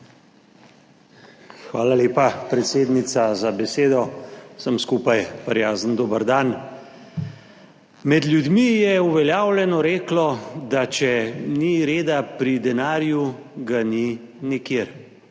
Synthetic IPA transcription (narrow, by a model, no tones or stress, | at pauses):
xʋaːlaleːpapɾɛt̪seːd̪nit̪sazabɛseːd̪ɔsəmskupajpɾjaːzənd̪oːbəɾd̪an | mɛd̪ljud̪mijɛuʋɛljaːwljɛnɔɾeːklɔd̪at͡ʃɛniɾeːd̪apɾid̪ɛnaːɾjuɡani | nikjeɾ